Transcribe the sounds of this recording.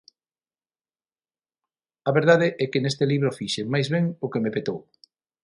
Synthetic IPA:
ɐβeɾðaðeʔɛkɪnest̪eliβɾofiʃemajzβɛŋʊkemepet̪ow

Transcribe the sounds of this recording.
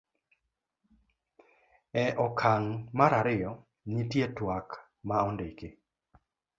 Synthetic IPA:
ɛʔɔkʰaŋmaɾaɾɪjɔ | nitjetwak | maɔndeke

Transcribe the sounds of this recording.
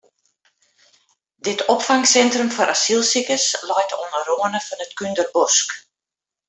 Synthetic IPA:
dɪtʰɔpfaŋsɛntrəmfɔɾʔasilˠsikəslɔjtʰoənəroənəfɔnətkyndərbɔsk

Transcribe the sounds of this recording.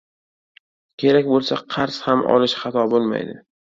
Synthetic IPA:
kʲʰe̞ɾakʲbolˠsaqʰɑɾshamʔɒ̰lɪʃχɑt̪ʰɒbolˠma̰jd̪ɪ

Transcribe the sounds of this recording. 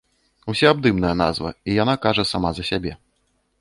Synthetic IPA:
usʲaabd̪ɨmnɐjɐna̰zvɐ̰ijan̪akaʐɐsamazɐsʲabʲɛ

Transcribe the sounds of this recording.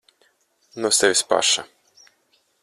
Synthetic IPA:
nusɛvʲispa̰ʃa

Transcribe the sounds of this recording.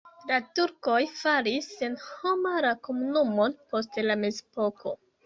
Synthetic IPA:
latuɾko̞jfalisenhomaɾakomunumo̞npo̞stlame̞zepo̞kʰo̞̰

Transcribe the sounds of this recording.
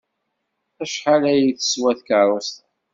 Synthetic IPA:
æʃħalæjiθə̥swæθkəɾˤəst̪

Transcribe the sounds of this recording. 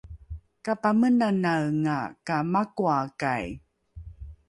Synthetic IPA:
kapamənanaɰŋa̰kamakuaka̰j

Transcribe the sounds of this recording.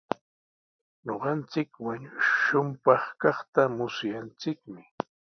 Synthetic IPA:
ɲoɢɑnt͡sɪkwaɲʊʃʊmpɑχkɑχt̪amʊsjant͡sɪkmɪ

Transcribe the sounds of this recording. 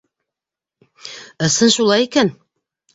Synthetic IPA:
ɤ̆sɤnʃulˠɑjikæn

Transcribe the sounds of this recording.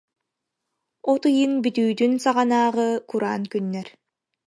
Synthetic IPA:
ɔt̪ɯjɯnbyt̪yːd̪ynsaʁanaːʁɯkuɾa̰ːnkynːɛɾ

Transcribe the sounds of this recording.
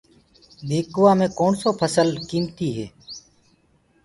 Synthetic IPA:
d̪ʱeːkʋaːmẽːkoːɳsoːpʰəsəlkiːmt̪iːɦḛː

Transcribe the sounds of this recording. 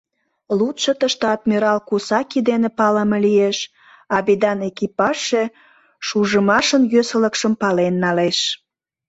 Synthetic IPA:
lut̪ʃət̪əʃt̪ɑt̪miɾɑlkusɑkid̪enepɑləməlieʃ | ɑβid̪ɑnekipɑʃe | ʃuʒəmɑʃənjøsələkʃəmpɑlenːɑleʃ

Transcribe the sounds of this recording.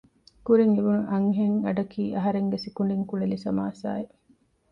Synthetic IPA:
kuɾiŋeʋunuʔɐŋɦeŋɐɖɐkiːʔɐɦɐɾeŋɡesikuɳɖiŋkuɭelisɐmaːsa̰ːe

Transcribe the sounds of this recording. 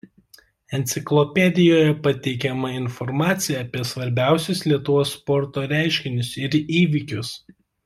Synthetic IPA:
ɛnʲt̪sʲɪklˠɔpʲɛd̪ʲɪjoːjɛpɐt̪ʲɛɪkʲɛmɐɪnfɔɾmɑːt̪sʲɪjɛɐːpʲiɛsʋɐɾʲbʲæˑʊsʲʊslʲiɛt̪ʊʋoːsːpɔɾt̪oːɾʲæˑɪʃʲkʲɪnʲʊsɪɾiːʋʲɪkʲʊs

